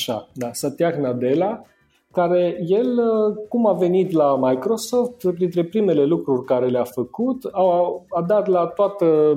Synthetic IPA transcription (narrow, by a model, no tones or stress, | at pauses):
ʃa̰d̪asat̪iaknad̪e̞la | kaɾe̞je̞ləkumave̞nit̪lamajkɾo̞so̞ft̪pɾint̪ɾe̞pɾime̞le̞lukɾurʲkaɾe̞leafəkut̪awad̪at̪lat̪oat̪ə